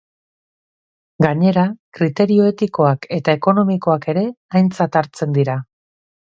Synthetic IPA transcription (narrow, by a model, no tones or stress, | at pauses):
ɡaɲe̞ɾakɾit̪e̞ɾio̞e̞t̪iko̞ake̞t̪aeko̞no̞miko̞ake̞ɾe̞ajnt͡sat̪aɾt͡se̞nd̪iɾa